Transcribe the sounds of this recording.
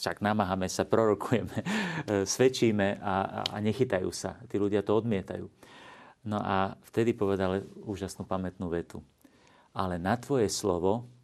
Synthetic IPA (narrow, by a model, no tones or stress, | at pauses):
ʃaɡnamaɦamɛsapɾɔɾɔkʰujɛmɛsʋɛt͡ʃiːmɛʔaa̰ɲɛxit̪ajṵːsa̰t̪iːluɟɪat̪ɔɔd̪mɪɛt̪a̰jṵː | nɔʔaft̪ɛd̪ipɔʋɛd̪aluːʒasnuːpamɛt̪nuːʋɛt̪ṵ | ʔalɛnat̪ʋɔjɛslɔʋɔ